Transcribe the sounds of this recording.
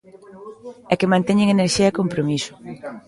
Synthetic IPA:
ɛkemãnt̪ɛɲeŋeneɾʃiɐɛkompɾomisʊ̥

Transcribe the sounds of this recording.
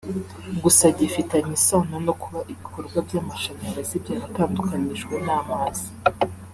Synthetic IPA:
ɡusaɟifitaɲisonono̞kuβaʔiβiko̞ɾɡwabjaːmaʃanaŋɡazibjaːɾtaːndukaniʒɡwe̞naːmaːzi

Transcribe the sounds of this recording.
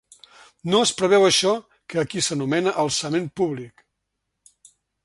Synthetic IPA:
noəspɾəβ̞ɛwəʃɔ | kəːkisənumɛnəʔəlˠsəmempuβlik

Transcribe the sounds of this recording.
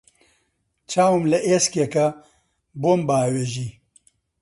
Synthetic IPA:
t͡ʃʰaːwɨmlɐʔeːskekɐ | boːmbaːweːʒiː

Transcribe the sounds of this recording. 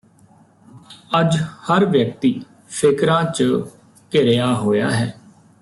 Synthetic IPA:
əd͡ʒhəɾʋjək̚t̪iː | pʰɪkɾãːt͡ʃ | kɪɾejaːɦoːja̰ːɦɛː

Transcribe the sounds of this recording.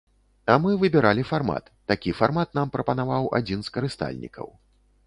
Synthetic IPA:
amɨvɨbʲɛɾalʲifarma̰t̪ːakʲifarmat̪̚nampɾɐpɐnavawa̰d͡zʲinskɐɾɨst̪a̰lʲnʲḭkʰɐ̰w

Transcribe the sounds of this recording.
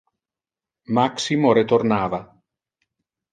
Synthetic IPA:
maksimoɾet̪ornaːva

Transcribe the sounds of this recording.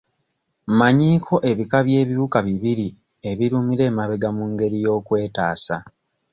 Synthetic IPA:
maɲiːkʰo̞ʔe̞βikaβje̞ːβiβukaβiβiɾi | e̞βiɾumiɾe̞ːmaβeɡamuŋɡe̞ɾijo̞ːkwe̞ːta̰ːsa̰

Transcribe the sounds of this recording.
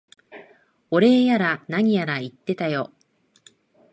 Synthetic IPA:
o̞ɾe̞ːjaɾanaɲ̟ijaɾait̪ːe̞t̪ajo̞

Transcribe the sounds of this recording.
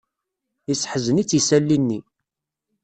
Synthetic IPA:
isːħəzənit͡sːisælːinːi

